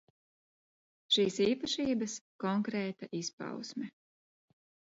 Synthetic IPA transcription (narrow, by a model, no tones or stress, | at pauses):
ʃiːsiːpɐʃiːbɐskɔŋkɾɛːt̪aʔispa̰wsmɛ